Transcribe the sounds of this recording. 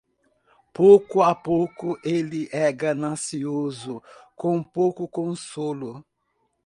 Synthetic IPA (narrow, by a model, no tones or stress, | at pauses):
powkʊapowkʊʔelɪʔɛɡɐnɐ̃siozʊkõpowkʊkõsolʊ